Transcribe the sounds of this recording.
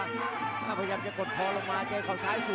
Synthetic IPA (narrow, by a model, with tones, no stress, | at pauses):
t̪ʰaː˥˩pʰa˧jaː˧mt͡ɕa˨˩ko˨˩t̪̚kʰɔː˧˥lo˨˩k̚maː˧t͡ɕaː˧jkʰɔː˨˩saː˨˦˥jsi˨˩